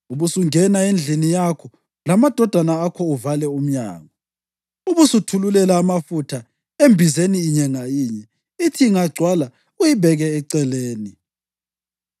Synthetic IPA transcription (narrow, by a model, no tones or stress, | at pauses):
uβusuŋɛnaend͡ɮʱinijakʰɔ | lamad̥ʱɔd̥ʱanaːkʰɔuvalɛum̩ɲa̰ːŋɔ | uβusutʰululɛlaːmafutʰa | embʱizeniːɲɛŋajiɲɛ | itʰiːŋaɡ͡ǀʱwala | ujiβʱɛɣɛːǀɛleːni